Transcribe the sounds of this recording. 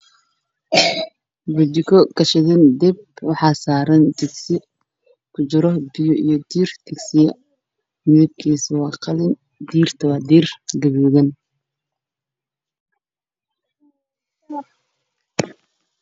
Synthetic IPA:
bʊd͡ʒɪkʰɔkɐʃɪðɪnd̪ɛbwɑħɑːsaːɾɐnt̪ɪɡsɪ | kʰʊt͡ʃɪɾɔbɪjɔijɔd̪iːrt̪ʰɪɡsɪjɐ | mɪðɪb̚kʰiːswɑːqɑlɪn | d̪iːrt̪ʰɐwaːd̪iːrɡɐβiːðɐn

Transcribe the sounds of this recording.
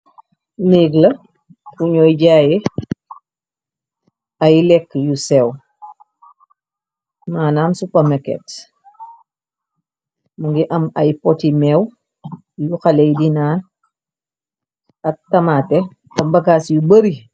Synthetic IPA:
neːɡlɐ | fuɲɔːjɟaːjɛ | ɐjlɛkːjusɛw | maːnaːmsupɐmɐkɛ̰t | muŋɡiʔɐmɐjpɔtimɛw | juxɐlɛjdinaːn | ɐk̚tɐmaːtɛ | ɐbɐkasjubəɾi

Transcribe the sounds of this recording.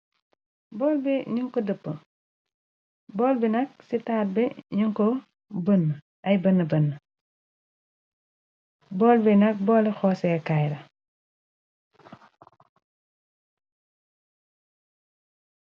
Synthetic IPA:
bɔːlbiɲuŋkɔdəpːə | bɔːlbinɐk̚sitaːt̚bɛɲuŋkɔ | bənːə | ʔɐjbənːəbənːə | bɔːlbinɐk̚bɔːlɛxɔːsɛːkajɾɐ

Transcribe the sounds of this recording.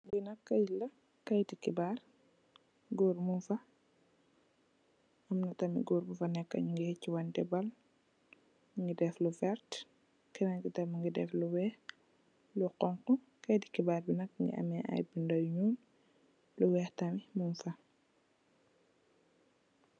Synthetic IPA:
binɐkːɐjlɐ | kɐjdikibaːr | ɡuːrmunfɐ | ɐmnɐtɐmḭɡuːɾbufɐnɛkːɐ̰ɲuŋɡihɛcːiwɐndɛbɐl | ŋɡidɛflufɛɾt | kɛnɐɲkitɐmuŋɡidɛ̰fluwɛːh | luqɔŋqɔ | kɐjdikibaːrbinɐk̚ŋɡḭʔɐ̰mɛʔɐ̰jbindɐjɲuːn | luwɛːxtɐmimunfɐ

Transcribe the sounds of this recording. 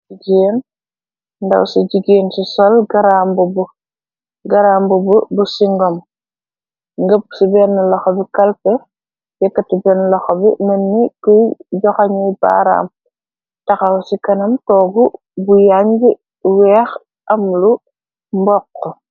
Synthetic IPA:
iɡeːn | ndɐ̰wsiɟiɡeːnsisɔlɡɐɾaːmbubu | ɡɐɾaːmbububusiŋɡɔm | ŋɡəp̚subɛnːɐlɐxɔbikɐlpə | jɛkːɐtibɛnlɐxɔbḭnɐnːikɔjɟɔxaɲijba̰ɾa̰ːm | tɐxɐwsikɐnɐmtɔːɡu | bujaɲɡi | wɛːx | ʔɐmlu | mbɔkːɔ

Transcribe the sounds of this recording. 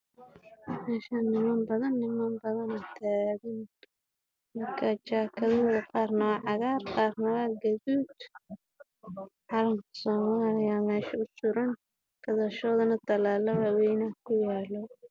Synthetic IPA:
mɛːʃɐnɪmɐːmbɐðɐnːɪmambɐðɐnɐt̪ʰaːɣɪn | mɐrkʰat͡ʃaːkʰɐðɔðɐqɑːrnɐwɑʕɑɣaːrqɑːrnɐwɐɡɐðuːd̪ | ħɑlɐŋkʰɐ̥sɔːmaːlɪjaːmɛːʃɐʊsʊɾɐn | kʰɐðɐʃɔːðɐnɐt̪ʰɐlaːlɐβɐwɛjnakʰʊjaːlɔ

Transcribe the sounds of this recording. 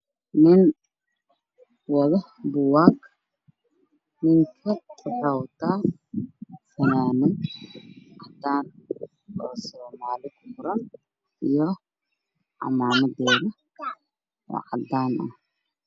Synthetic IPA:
nɪn | wɐðɐ | bʊwaːk | nɪŋkʰɐrɐwt̪ʰaː | fɐnaːnɪn | ʕad̪ːaːn | ɔːsɔːmaːlɪkʰʊfʊɾɐn | ʔijɔ | ʕɑ̰maːnɐd̪ɛːðɐ | ʔɔ̰ːʕɑd̪ːaːnʔɐ̰h

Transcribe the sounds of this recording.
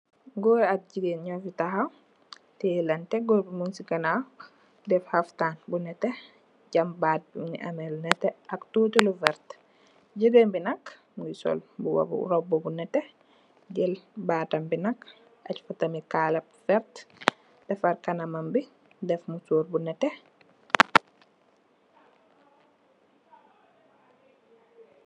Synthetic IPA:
ɡɔːat̚ɟiɡeːnɲɔfitaɦaw | tɛlɐntɛɡɔɾbimunsikana | dɛfhaftaːnbunɛtːɛ | ɟambaːt̚bnḭʔa̰mɛlnɛtːɛaktutulufɛɾt | ɟidembinak | misɔ̰lbuwa̰bṵɾɔbːɔbunɛtːɛ | ɟɛlbaːtɐmbinɐk | a̰cfatɐmikalɛp̚fɛɾt | d̥ɛfaɾkɐnɐmɐmbi | dɛfmusoːɾbunɛtɛ

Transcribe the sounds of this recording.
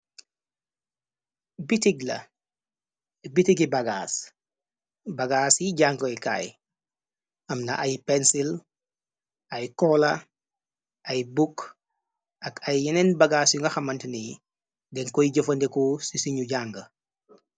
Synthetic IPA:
bitiɡlɐ̰ | bitiɡibɐɡa̰ːs | bɐɡaːsjiɟaŋɡojka̰ːj | ɐmnɐ̰ʔɐjpɛnsil | ɐjkɔlɐ | ʔɐjbuk | ʔɐkɐjːɛnɛnbɐɡaːsjuŋɡɐxɐmɐntini | dɛŋkɔjiɟofɐndɛkɔsisiɲuɟaŋɡɐ

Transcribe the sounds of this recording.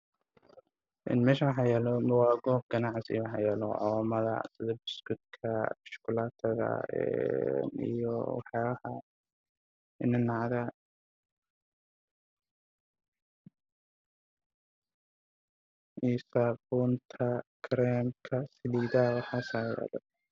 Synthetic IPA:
ʔɪ̰nmɛːʃɐwɑħɑjɛːlɔmɐwɑːɡɔːb̚ɡɐnɑʕsɪ̰jwɑħɑ̰jɛːlɔ̰ʕɔmɐðɐ̰sɪðɐbɪskʊd̪kʰɐʃkʰʊlaːt̪ʰɐðɐ̰ɛ̰nḭjɔ̰wɑħjaːβɐhɐ | ɪnɪnːɑʕðɐ | isabuːnt̪ʰɐkʰɾɛːmkʰɐsɪliːðɐwɑħɑːsajɛ̰ːlɔ̰

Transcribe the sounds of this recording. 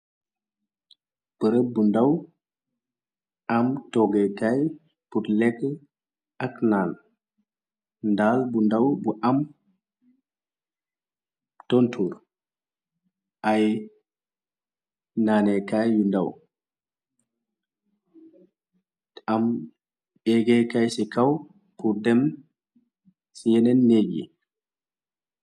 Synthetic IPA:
b̥əɾəbundaw | amtɔɡekaj | putlɛk | aknaːn | ndaːlbundawbuʔam | tontʰuːɾ | ʔaj | naːnɛkajjundaw | am | ɓɛɡɛkajsɛkaw | puɾdɛm | sijɛnɛnːeɡɛ̰

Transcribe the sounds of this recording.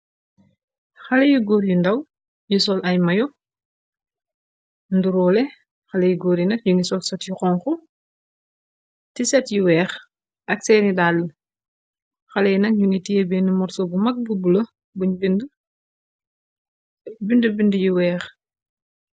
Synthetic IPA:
xɐlɛjuɡoːɾjundɐw | jusɔlʔɐjmɐjɔ | nduɾɔːlɛ | xɐlɛjuɡoːɾjinɐk̚ɲuŋisɔlsɔtjuxɔŋxu | tisɛtjuwɛːx | ʔɐk̚sɛːnidal | xɐlɛjnɐk̚ɲuŋitijebɛnimɔɾsɔbumɐk̚bubulɐ | buɲbind | bindubindujuwɛːx

